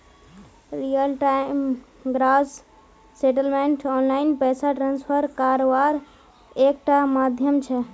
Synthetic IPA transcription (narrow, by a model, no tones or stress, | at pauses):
ɾijəlʈajm | ɡɾas | seʈəlmeɳʈɔnlajnpɛjsaʈɾãnspʰəɾkaɾoʋaɾ | ek̚ʈamad̪ʱjəmt͡ʃʰɛ